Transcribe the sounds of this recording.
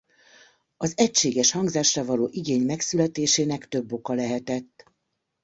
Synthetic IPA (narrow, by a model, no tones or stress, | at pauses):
ɒzɛcʃeːɡɛʃhɒŋɡzaːʃravɒloːʔiɡeːɲmɛksylɛt̪eːʃeːnɛkt̪ø̞bːo̞kɒlɛɦɛt̪ɛt̪ː